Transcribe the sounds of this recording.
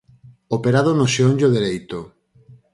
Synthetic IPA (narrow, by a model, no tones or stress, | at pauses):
opeɾaðonoʃeonʎoðeɾejt̪o